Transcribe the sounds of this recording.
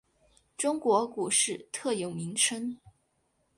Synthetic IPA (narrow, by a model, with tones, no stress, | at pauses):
ʈ͡ʂʊ˥ŋkwɔ˧˥ku˨˩ʂɻ̩˥˩t̪ʰɤ˥˩jo˨˩ʊmi˧˥ŋʈ͡ʂʰə˥ŋ